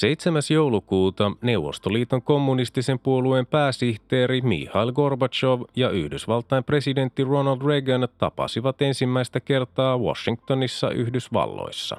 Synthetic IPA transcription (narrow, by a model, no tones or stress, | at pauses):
se̞jt̪semæsjowlukuːt̪ɑne̞wʋːo̞̰st̪oliːt̪o̞ŋko̞mːunist̪ise̞mpuolue̞mpæːsiht̪eːɾimḭːhɑilɡo̞rbɑt͡ʃo̞ʋjɑyhdysʋɑlt̪ˑɑjmpre̞side̞nt̪ːiro̞nɑld̪reɡɑnt̪ɑpɑ̰siʋɑt̪e̞nsimːæijst̪æke̞rt̪ɑːwo̰ʃːiŋk̚t̪o̞nisːɑ̰ʔy̰hdysʋɑ̰lːo̰jsːɑ̰